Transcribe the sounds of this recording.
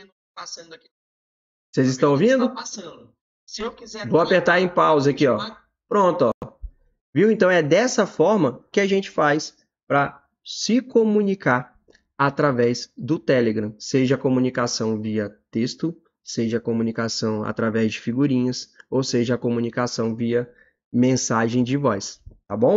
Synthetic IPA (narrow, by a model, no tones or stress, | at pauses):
pasɐ̃d̪aki | sezɪst̪ɐ̃w̃ovĩd̪ʊpasɐ̃d̪ʊ | sewkizɛvowapeɾt̪aɾẽj̃pawzakiɔ | pɾõt̪ʊɔ | viwẽnt̪ɐ̃w̃ɛd̪ɛsɐfɔɾmɐkɪaʒẽnt͡ʃɪ̥fajs | pɾɐ | sɪkomũnikaɾ | at̪ɾavɛzd̪ʊt̪ɛleɡɾɐ̃seʒɐkomũnikasɐ̃w̃viɐt̪est̪ʊ | seʒɐkomũnikasɐ̃w̃a̰t̪ɾavɛzd͡ʒɪfiɡuɾĩɲɐsowseʒɐːkomũnikasɐ̃w̃viɐ | mẽsaʒẽj̃d͡ʒɪvɔjst̪abõw̃